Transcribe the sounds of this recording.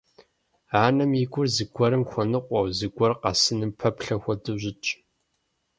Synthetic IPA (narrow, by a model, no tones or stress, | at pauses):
aːnɐmiɡʷʊrzɨɡʷɔɾɨmxʷɔnɨqʷʼɔwzɨɡʷɔrqɑ̰sɨnɨmpʰɐpɬɐxʷɔdɨʑɪt͡ʃʼ